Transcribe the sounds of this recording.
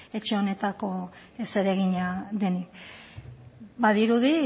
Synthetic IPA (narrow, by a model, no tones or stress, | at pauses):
e̞t͡ʃe̞o̞ne̞t̪ako̞ | ese̞ɾe̞ɣ̞iɲaðe̞nik | baðiɾuði